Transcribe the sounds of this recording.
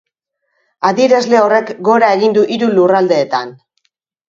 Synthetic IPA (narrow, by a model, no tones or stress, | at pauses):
aðiɾazle̞o̞re̞kɡo̞ɾae̞ɣind̪uʔiɾulurald̪e̞ːt̪an